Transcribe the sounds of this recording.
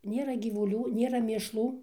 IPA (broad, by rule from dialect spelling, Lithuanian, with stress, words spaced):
ˈnʲeːrɐ ɡʲiːʋʊˈlʲuː ˈnʲeːrɐ mʲeːʃˈlˠuː